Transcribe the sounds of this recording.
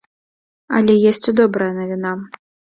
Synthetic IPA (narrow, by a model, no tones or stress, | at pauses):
ɐ̰lʲɛjɛsʲt͡sʲud̪ɔbɾɐjɐnɐvʲina